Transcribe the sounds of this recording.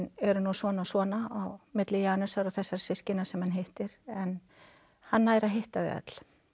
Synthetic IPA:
nɛɾʏnusɔːnasvɔːnaawmɪt̪lɪjaːnʏsaɾaθɛsːaɾ̥sɪscɪnasɛmhanɦeht̪ɪɾɛn | hanːaːjɾaɦeht̪aðɛ̰t̪l̥

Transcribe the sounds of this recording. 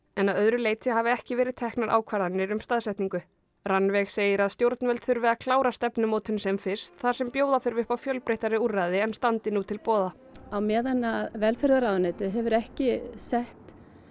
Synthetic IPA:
ɛnaðœðɾʏleːjt̪ʰɪhavɪɛhcɪvɛːɾɪðt̪ʰɛhknaɾʔa̰ːwkʰvaɾðanːɪɾʏmst̪aðsɛht̪niŋkʏ | ranːvɛɣseːjɪɾaðst̪jowɾt̪nvɛlt̪θʏɾvɪðakʰlaːwɾast̪ɛpnʏmoːwt̪ʰʏnsɛmfɪr̥st̪θḁsɛmpjoːwðafʏɾvɪhpawfjœlpɾeht̪aɾɪurːaðɪɛnst̪ant̪ɪnuːt̪ʰɪlpɔːða | awmɛːðanːaðvɛlfɛɾðaɾaðnɛt̪ɪɦɛvʏɾɛhcɪsɛht̪

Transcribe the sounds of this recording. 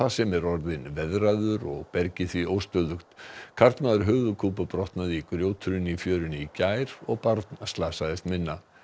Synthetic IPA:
asɛmɛɾɔɾðɪnvɛðraðʏɾɔ̰ɣpɛɾcɪθviowst̪œðʏxt̪kʰaɾt̪naːðʏɾ̥ɦœːɣðʏkʰuːpʏpɾɔht̪naðikɾjoːwt̪ʰʏɾʏnifjœːɾʏnɪicaːjɾɔɣpaɾt̪nast̪laːsaðɪst̪mɪnːa

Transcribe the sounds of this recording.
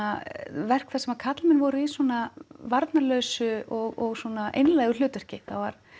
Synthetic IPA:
avɛr̥kfθɛsɛmakʰat̪lmɪnvɔɾʏiswɔnavaɾt̪nalœːɥsʏɔɣɔɣswɔnaʔḛjnlaːjɣʏl̥ʏːt̪ʏr̥cɪθava̰ɾ̥

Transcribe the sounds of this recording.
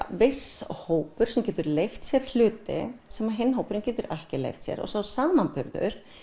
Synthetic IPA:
vɪshoːwpʏɾ̥sɛmcɛːt̪ʏɾlejft̪sjɛɾ̥l̥ʏːt̪ɪ̰sɛmːaðɦenːɦoːwpʏɾɪmcɛːt̪ʏɾɛhcɪlḛjft̪sjɛ̰ɾɔ̰sawsaːmanpʏɾðʏ̰ɾ̥

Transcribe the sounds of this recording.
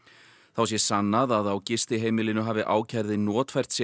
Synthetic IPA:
θawsjɛsanːaðaðawcɪst̪ɪɦeːjmɪlɪnʏɦaːvɪʔa̰ːwcʰajɾðɪnɔːt̪fɛr̥t̪sjɛ

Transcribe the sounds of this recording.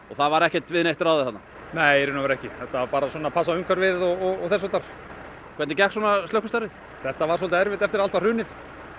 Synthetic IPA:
ɔθavaɾɛhcɛt̪vɪðneht̪ɪɾawðɪθat̪na | neːjɾʏnavɛɾɛhcɪθɛht̪ːapaːɾasɔnapʰas̬aʏmkʰvaɾvɪðɔɣɔɣɔθɛs̬ːat̪aɾ̥ | kʰɛt̪nɪcɛhkswɔːnast̪œhkʏst̪aɾɪθ | θɛht̪ːavaɾ̥s̬ɔlt̪aɛɾvɪht̪ɛft̪ɪɾalt̪varʏːnɪθ

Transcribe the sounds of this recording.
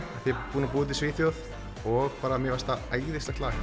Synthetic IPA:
aθiɛpuːnapuːðt̪̬ɪsvɪːθjowð | ɔɣpaːɾamjɛvast̪aajðɪst̪ɛht̪laːx

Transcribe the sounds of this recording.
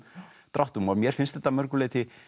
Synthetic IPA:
t̪ɾawht̪umɔðmjɛɾ̥fɪnst̪θɛt̪ːamœɾkʏlɪːt̪ɪ

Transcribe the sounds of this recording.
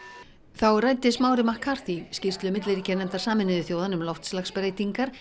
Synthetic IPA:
θawrajnt̪ɪsmaːwɾɪmahkʰːaɾ̥t̪iscɪst̪lʏmɪt̪lɪɾicɛnɛm̥t̪aɾ̥saːmɪnɪðɪθjoːwðanʏmlowft̪slaxspɾejt̪iŋkaɾ̥

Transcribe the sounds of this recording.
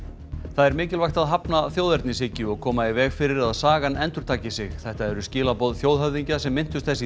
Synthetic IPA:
θaðɛɾmɪːcɪlvajxt̪aðɦapnaθjoːwðɛɾt̪nɪs̬ɪcːʏɔɣkʰɔːmaivɛːɣfɪɾɪɾaðsaːɣanʔɛnt̪ʏɾ̥t̪ʰaːcɪsɪɣθɛht̪aɛɾʏscɪːlapɔðθjowðhœvðiɲcasɛmːɪn̥t̪ʏst̪θɛsɪ

